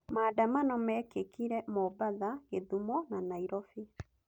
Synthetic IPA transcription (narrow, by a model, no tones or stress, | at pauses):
maːdamanɔmɛːkekiɾɛmɔbaðaɣeðumɔnanaiɾɔfi